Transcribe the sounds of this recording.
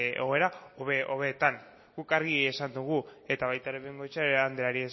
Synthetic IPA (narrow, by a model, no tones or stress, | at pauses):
eɣo̞e̞ɾaoβeʔo̞βet̪an | ɡ̥ukaɾɣie̞sand̪uɣue̞t̪aβajt̪aɾeβeŋɡo̞jt͡ʃaand̪eaɾies